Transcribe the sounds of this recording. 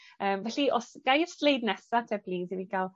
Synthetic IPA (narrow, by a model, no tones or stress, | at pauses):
əːmvɛɬiɔsɡ̥ajslejdnɛsatʰɛbliːziviɡalˠ